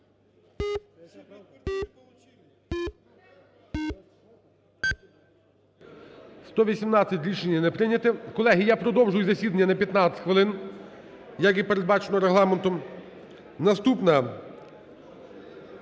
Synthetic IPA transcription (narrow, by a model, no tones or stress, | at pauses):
st̪ɔʋʲisʲimnɑt͡sʲːɐtʲɾʲiʃenʲjɐnɛpɾɪnʲɐt̪ɪkɔlˠɛɦijapɾɔd̪ɔwʒʊjʊzɐsʲid̪ɐnʲːɐnɐpʲjɐt̪nɑt͡sʲsʲɪ̥tʲxʋɪlˠɪn | jɐkipeɾed̪̚bɑt͡ʃenɔɾeɦlˠɑment̪ɔm | nɐst̪upnɐ